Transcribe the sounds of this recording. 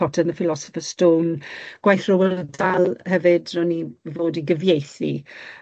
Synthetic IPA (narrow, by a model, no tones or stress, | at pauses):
ɔtʰənəfɪlɔsɔ̥fəstoːnɡ̥wajθrɔwələdalˠhɛvɪdrɔnivoːdiɡəvjejθḭ